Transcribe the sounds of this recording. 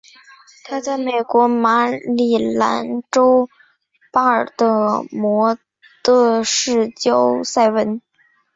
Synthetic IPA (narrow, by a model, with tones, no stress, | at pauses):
t̪ʰa˥t͡sa˥˩ɪme˨˩ɪkwɔ˧˥ma˧˥li˨˩la̰˧˥nʈ͡ʂo˥ʊ | pa˥ə˞˨˩t̪ə˥˧mwɔ˧˥ | t̪ɤ˥˧ʂɻ̩˥˩t͡ɕjo˥ʊsa˥˩ɪwə˧˥n